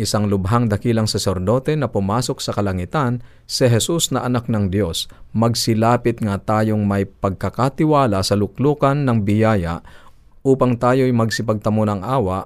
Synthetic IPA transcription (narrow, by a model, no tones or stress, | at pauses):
ʔɪsaŋlʊbɦaŋd̪ɐkiːlɐŋsɐsɛɾd̪o̞ːt̪ɛnɐpʊmaːso̞k̚sɐkɐlɐŋɪt̪an | sɪɦɛsusnɐʔɐnak̚nɐŋd̪jo̞smɐɡsɪlaːpɪt̪̚ŋɐt̪aːjoŋmɐjpɐɡ̚kɐkat̪ɪwaːlasɐlʊk̚luːkɐnːɐŋbɪjaːja̰ʔ | ʔuːpɐŋt̪aːjo̞jmɐɡsɪpɐɡ̚t̪ɐmonɐŋʔaːwɐʔ